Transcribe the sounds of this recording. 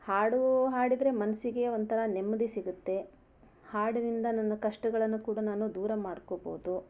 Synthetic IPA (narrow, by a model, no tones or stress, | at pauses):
haːɽuɦaːɽid̪ɾe̞mɐnɐsiɡe̞ond̪t̪ɐɾɐnemːɐd̪isiɡut̪ːe̞ | haːɽinind̪ɐnɐnːɐkɐʂʈɐɡɐɭɐnːukuːɽɐnaːnud̪uːɾɐmaːɽkobo̰ːd̪u